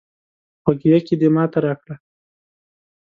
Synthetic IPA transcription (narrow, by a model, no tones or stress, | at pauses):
xwaɡjaked̪emɑt̪aɾɑkɽa